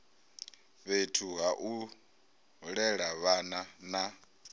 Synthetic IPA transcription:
βetʰuɦaʔu | ɺɛɺaβanana

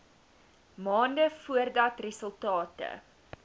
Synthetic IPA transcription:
mɑːndəfuərdɐtrɛsəlˠtɑːtə̰

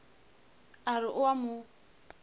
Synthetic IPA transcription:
aɾɪʔʊwamʊ

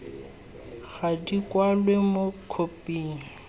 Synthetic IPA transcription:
ɣadikʼwalwemokʰopʼiːŋ̩

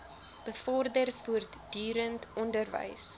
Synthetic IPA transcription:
b̥əfɔrdərfuərdyːɾəntʰɔndərvə̰js

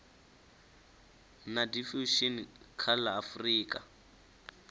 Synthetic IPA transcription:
nadifuʃinkʰalaːfriːkʼa

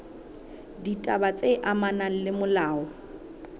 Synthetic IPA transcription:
ditʼabat͡sʼeʔamanan̩lɪmʊlaːɔ

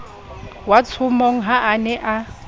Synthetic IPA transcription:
wat͡sʰʊmoŋ̩ɦaʔanɛʔa

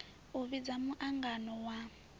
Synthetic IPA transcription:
uβid͡zamuʔaŋɡanɔwa

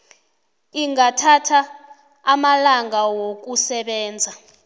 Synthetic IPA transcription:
iŋɡatʰatʰaː | malaŋawok̬usɛɓɛːnd͡zʱa

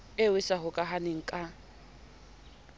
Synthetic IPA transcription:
ewɪsaɦʊkʼaɦanɪŋ̩kʼa

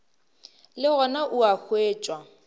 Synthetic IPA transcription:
lɪɣɔnaʔuak͡xʰweːt͡ʃʼwa

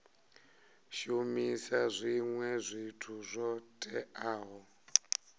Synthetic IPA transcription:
ʃumisazʷiŋwɛzʷitʰuzʷɔtʼɛaːɦɔ

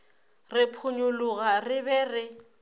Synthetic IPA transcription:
rɪpʰʊɲʊlʊɣarɪbɛːrɪ

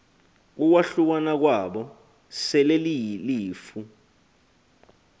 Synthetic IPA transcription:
k̬ukwaɬuk̬anak̬waɓɔ | sɛleliliːfu

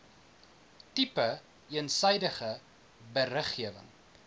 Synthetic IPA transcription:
tipə | iənsəjdəχə | bəɾəχːiəvə̰ŋ

